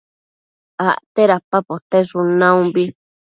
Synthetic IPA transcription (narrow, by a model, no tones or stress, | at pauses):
aʔt̪eɾapapot̪eʂunãũmbi